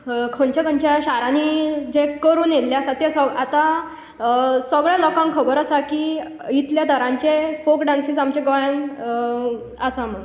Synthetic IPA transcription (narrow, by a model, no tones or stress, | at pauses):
kʰoɳt͡ɕakəɲt͡ɕaɕaɾãnid͡ʑekəɾuːnjelljasat̪jesɔat̪a | səɡɭjalɔkãŋkʰəbəɾəsaki | it̪ljad̪ʱəɾãɲt͡ɕefokɖansisamt͡ɕeɡɔjən | əsaməɡ